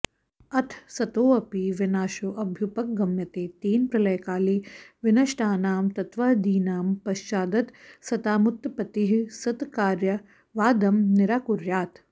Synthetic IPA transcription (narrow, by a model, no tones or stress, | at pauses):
ɐt̪ʰsɐt̪oːɐpiʋɪnaːʃoːʔɐbʱjupɐk̚ɡɐmjɐt̪eːt̪eːnpɾɐlɐjkaːliʋɪnɐʃʈʰaːnaːmt̪ɐt̪ʋaːd̪iːnaːmpɐʃt͡ʃaːd̪ɐt̪sɐt̪aːmʊt̪ːpɐt̪iɦsɐt̪kaːɾjɐ | ʋaːd̪ɐmnɪɾaːkuɾjaːt̪